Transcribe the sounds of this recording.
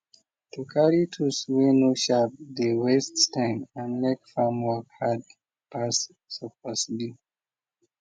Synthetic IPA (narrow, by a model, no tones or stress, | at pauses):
tukʰaɹitʰuswenuʃap̚d̪əwɛsttãɪ̃mãnmɛkfamwɔkhad | pas | sɔpasbi